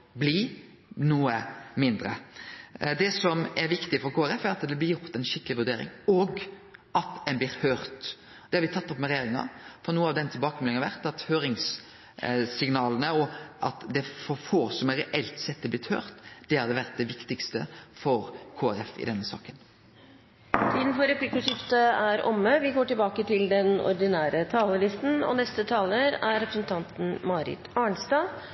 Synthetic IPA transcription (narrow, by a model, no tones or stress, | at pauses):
blɪ | nuːəmɪnd̪ɾə̰ | d̪ɛsɔmɛɾʋɪkt̪ɪfɔɾkʰoːæɾɛfæɾɑt̪d̪ɛblɪɾjʊɾt̪ɛnʃɪkːəlɪʋʉɾd̪eːɾɪ̰ŋoɡɑt̪ɛnblɪɾhøːɾt̪ | d̪ɛhɑɾʋɪt̪ʰɑt̪ːɔpːmɛɾɛjeːɾɪŋɑ̰fɾɔnuːəɑʋd̪ɛnt̪ʰɪlbɑːkəmɛlɪŋɑʋæɾt̪ɑt̪høːɾɪŋs | sɪŋnɑːlənəɔʔɑt̪d̪ɛfɔɾfoːsɔmɛɾɛʔɛlt̪sɛt̪̚ːd̪ɛblɪt̪hø̰ːɾt̪d̪̥ɛhɑɾd̪ɛʋæɾt̪̚d̪ɛʋɪkt̪ɪkst̪ə̰fɔɾkʰoːæɾɛfɪ̰d̪ɛnːəsɑ̰ːkən | t̪ʰiːd̪n̩fɔɾɛpʰlɪkːʊʂɪft̪əæɾɔ̰mːəʋɪɡoːʈɪlbɑːkət̪ʰɪld̪ɛnɔ̰ɾd̪ɪnæːɾət̪ʰɑːləlɪst̪n̩ɔ̰nɛst̪ət̪ʰɑːləɾæɾɾɛpɾəsnt̪ʰɑnt̪n̩mɑːɾɪ̰t̪ɑːɳst̪ɑː